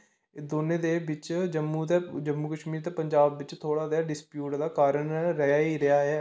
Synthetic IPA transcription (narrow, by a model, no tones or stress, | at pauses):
d̪oːnẽːd̪eːbɪt͡ʃd͡ʒəmːuːt̪eːd͡ʒəmːuːkəʃmiːɾt̪eːpəɲd͡ʒaːbːɪt͡ʃt̪ʰoːɽaːd̪aːɖɪspjuːʈd̪aːkaːɾəɳɾəjaːiːɾəjaːɦɛː